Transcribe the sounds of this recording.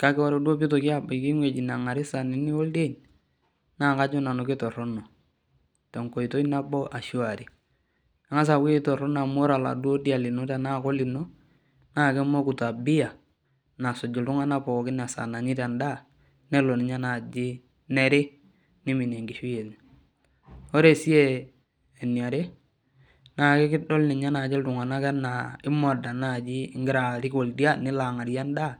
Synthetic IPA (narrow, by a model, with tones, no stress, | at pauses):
ka˦ke˦ɔ˦ɾo˦du˦o˦bi˦to˨kɪ˦a˦˨bɔ˨kɪ˦ŋwe˨d͡ʒi˨na˨ŋa˨ɾɪ˦sa˨ni˦ni˦o˦lde˦˨ɲ | na˦˨ka˦d͡ʒo˦na˨no˨ke˦tɔ˨ɾo˦no˨ | tɔ˨ŋko˨i˨to˦i˦na˦bo˦ʔa˨ʃu˦a˨ɾi˨ | a˨ŋa˦s̬a˨ki˦e˦to˨ɾɔ˦n˦a˨mo˦ɾa˨la̰˨dwo˦di˦a˨lɪ˨no˦ta˨na˦˨ko˦li˨no˦ | na˦˨ke˦mo˦ku˨ta˨bi˦ja˨ | na˨so˨d͡ʒu˨ltu˦ŋa˦na˦po˨kɪ˦n˨a˨sa̰˨na˨ɲi˦ta˨nda˦˨ | ne˦lo˨nɪ˨ɲa˦na˨d͡ʒi˦ | ne˦ɾe˦ | nɪ˦mi˨ne˨ŋɡi˨ʃu˦je˨li˨ | o˦ɾe˨si˦eː˦˨ | ni˨a˨ɾe˦ | na˨ke˦kɪ˦dɔ˦lni˨ɲa˦na˨d͡ʒi˦ltʊ˨ŋa˨na˦kɛ˦na˨ɪ˦mɔ˨da˨na˦˨d͡ʒi˦ŋɡɪ˦ɾa˨ɾi˦ko˨ldi˦a˦nɪ˦la˨ŋa˨ɾja˦nda˦˨